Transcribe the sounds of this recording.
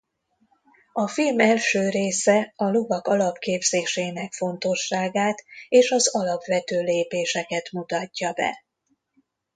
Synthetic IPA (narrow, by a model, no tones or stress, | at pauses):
ɒfilmɛlʃøːɾeːsɛɒlovɒkɒlɒpkeːbzeːʃeːnɛkfo̞nt̪o̞ʃːaːɡaːt̪eːʃɒzɒlɒpʋɛt̪øːleːpeːʃɛkɛt̪mut̪ɒcːɒbɛ̰